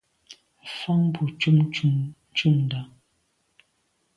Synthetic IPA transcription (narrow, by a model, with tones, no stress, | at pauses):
fa˦ŋbu˨t͡ʃu˦m˦ | t͡ʃu˦˨mnda˨˦